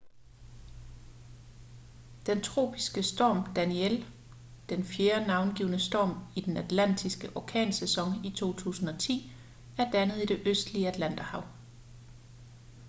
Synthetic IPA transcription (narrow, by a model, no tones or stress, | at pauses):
d̥ent͡sʰʁo̝̰ːb̥ʰisɡ̥əsd̥ɒ̰ːmd̥æniel | d̥enfjeɐnɑ̈ʊnɡ̥iːʊnəsd̥ɒ̰ːmid̥enæd̥læn̰d̥ʰisɡ̥əʔɒkʰɛ̰ːnsesɒ̽ŋit͡sʰo̝̰ːt͡sʰṵːsn̩ɒ̽t͡sʰḭː | æɐd̥ænəð̞̩ˠid̥e̝ʔøsd̥liəæd̥læn̰d̥ɐhɑ̈ʊ